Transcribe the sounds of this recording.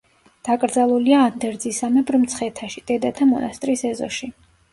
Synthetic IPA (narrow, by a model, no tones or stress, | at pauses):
d̪̥akʼɾd̪zalˠuliaːnd̪ɛɾd̪zisamɛbɾmt̪sʰχɛt̪ʰaʃid̪ʼɛd̪at̪ʰamɔ̰nʔast̪ʼɾisɛzɔ̰ʃi